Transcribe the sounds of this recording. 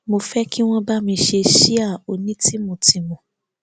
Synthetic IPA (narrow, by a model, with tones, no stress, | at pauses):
mo˧fɛ˦ki˦w̃ɔ̃˦ba˦mĩ˧ʃe˧ʃi˦a˦˨o˧nĩ˨˦ti˦mo˧ti˧mɔ̃˨